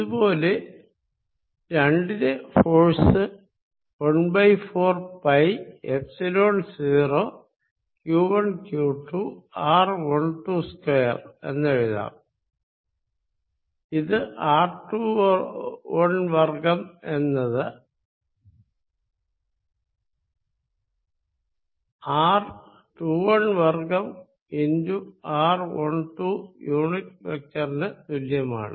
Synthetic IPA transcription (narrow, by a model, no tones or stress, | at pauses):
iðubo̞ːle̞ | ɾɐɳɖiðefoːsɨ | oɳbɐjfoːrpɐjefsilo̞ːnsiːro | kjuːʋɐɳkjuːʈːuːaːrʋɐɳʈuskwejɐ̰re̞̰nːeɻiða̰ːm | iðɨʔaːrʈuː | ɐɳʋɐrɡɐmenːɐðɨ | aːr | ʈuːʋɐɳʋɐrkɐm | induaːrʋɐɳʈuːjuːɳit̚ʋek̚tɐrinɨt̪uljɐma̰ːɳɨ̰